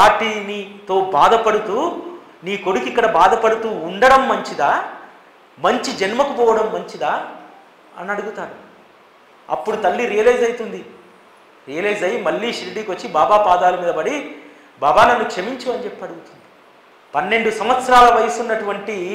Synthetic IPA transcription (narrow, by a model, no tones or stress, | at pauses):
paːɾʈːiːnit̪o̞ːbaːd̪ɐpɐɽut̪uː | niːko̞ɽukikːɐɽɐbaːd̪ɐpɐɽut̪uːɳɖɐɽɐmːɐɲt͡ʃid̪aː | mɐɲt͡ʃid͡ʒɐnmɐkupɔːʋɐɽɐmːɐɲt͡ʃid̪aː | ɐnɐɽuɡut̪aːɾu | ɐ̰pːuɽut̪ɐlːiɾijɐlɐjd͡ʒɐjt̪und̪i | ɾijɐlɐjd͡ʒɐjimɐɭːiːʃɾiɽiːkʋɐt͡ʃːibaːbaːpaːd̪aːlɐmiːd̪ɐbɐɽi | baːbaːnɐnːukʂɐmiɲt͡ʃuɐnit͡ʃepːɐɽuɡut̪und̪i̥ | pɐnːe̞ɳɖusɐmʋɐt̪sɐɾaːlɐʋɐjɐsunːɐʈuʋɐɳʈi